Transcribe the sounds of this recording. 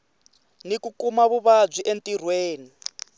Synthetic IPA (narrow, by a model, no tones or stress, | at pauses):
nikukumaβuβab͡ʐʷiʔentʼir̤weːni